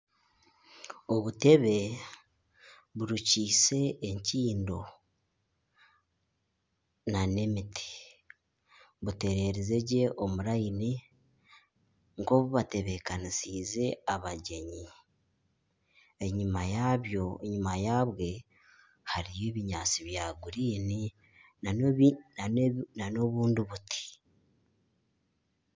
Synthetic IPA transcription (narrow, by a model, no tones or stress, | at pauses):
o̞βute̞βe̞ | βuɾuciːse̞ːɲciːndo̞ | nanemiti̥ | βute̞ɾe̞ɾeze̞ɟe̞ʔo̞muɾaini | ŋko̞βuβate̞βe̞kanisiːze̞aβaɟe̞ɲi | eɲimajaβjo̞eɲimajaːβwe̞ | haɾijeβiɲaːt͡siβjaːɡuɾiːni | nananano̞βuːndiβutʰi̥